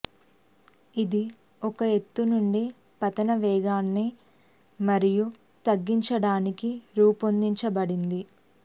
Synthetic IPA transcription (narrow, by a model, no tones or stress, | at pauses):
id̪i | ɔkɐe̞t̪ːunuɳɖi | pɐt̪ɐnɐʋɛːɡaːnːeː | mɐɾiju | t̪ɐɡːiɲt͡ʃɐɽaːnikiɾuːpond̪iɲt͡ʃɐbɐɽind̪i